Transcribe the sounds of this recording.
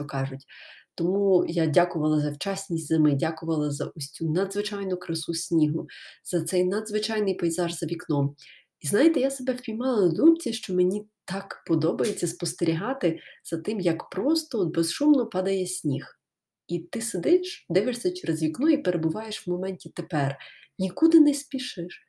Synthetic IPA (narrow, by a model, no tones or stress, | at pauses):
t͡ʃɔkɑʒʊtʲt̪ɔmujadʲakʊʋɐlˠɐzɐwt͡ʃasʲnʲisʲtʲzɪmɪdʲakʊʋɐlˠɐzɐʔɔsʲt͡sʲunɐd̪zʋɪt͡ʃɑjnʊkɾɐsusʲnʲiɦʊz̥ɐt̪sɛjnɐd̪zʋɪt͡ʃɑjnɪjpɐjzɑʒzɐʋʲiknɔm | iznɑjɪt̪ɛjasebɛwpʲijmɑlˠɐnɔd̪umt͡sʲiʃt͡ʃɔmenʲit̪ɑkpɔd̪ɔbɐjet͡sʲːɐspɔst̪eɾʲiɦɑt̪ɪz̥ɐt̪ɪmjɐkpɾɔst̪ɔɔd̪̚bezʃumnɔpɑd̪ɐjɛsʲnʲix | it̪ɪsed̪ɪʃd̪ɛʋɪʃsʲɐt͡ʃeɾezʋʲiknɔipeɾʔebʊʋɑjeʃʋmɔmɛnʲtʲit̪epɛrnʲikud̪ɪnɛsʲpʲiʃɪʃ